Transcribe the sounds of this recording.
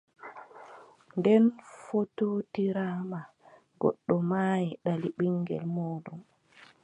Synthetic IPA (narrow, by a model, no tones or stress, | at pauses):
ndɛnfototiɾaːma | ɡɔ̰ɗːɔmaːjiɗaliɓiŋɡɛ̰lmoːdɔm